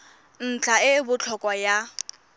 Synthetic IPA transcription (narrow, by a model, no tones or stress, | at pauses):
n̩t͡ɬʰaɪbʊt͡ɬʰɔkʼwaja